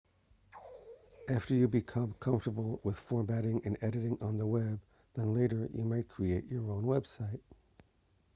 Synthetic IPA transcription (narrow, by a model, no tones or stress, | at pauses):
ʔæftə˞jɨbikʰʌ̃mkʰʌ̃ɱftə˞bl̩ˠwɪð̥fɔɹbæɾɪ̃ŋɨ̃nɛɾɨɾɪ̃ŋə̃nðəwɛb̚ | ðə̃nleɪɾə˞jɨ̰maɪt̚kʰɹ̥ieɪt͡ʃə˞õʊ̃nwɛb̥saɪt̚